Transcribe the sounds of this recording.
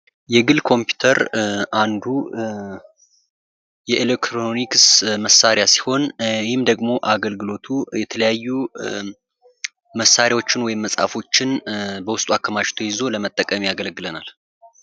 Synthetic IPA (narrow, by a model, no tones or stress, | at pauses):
jɛɡɨlkʰo̞mpju̥t̪ʰəɾʔand̪u | jɛʔelekt̪ɾoniksməsːaɾɪjasi̥ho̞nhɪmd̪əɡmo̞ʔaɡəlɡɨlo̞t̪ʰujɛt̪ʰələjajːu | məsːaɾjawo̞t͡ʃːɪnwɔjɪmːəsʼa̰fo̞t͡ʃːɪnbəwʊst̪ʼuakʰːəmaʃt̪ʰo̞jɪzo̞ləmət̪ʼːəkʼəmejaɡəlɡɨlənal